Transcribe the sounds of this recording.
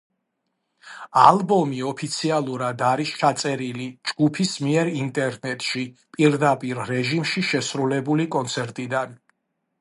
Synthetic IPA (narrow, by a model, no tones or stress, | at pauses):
alˠbɔmiɔpʰit̪sʰialˠuɾad̪aɾist͡ʃʰat̪sʼɛɾilid͡ʒɡupʰismiɛɾint̪ʼɛɾnɛt̪ʼʃipʼiɾd̪apʼiɾɾɛʒimʃiʃɛsɾulɛbulikʼɔnt̪sʰɛɾt̪ʼid̪an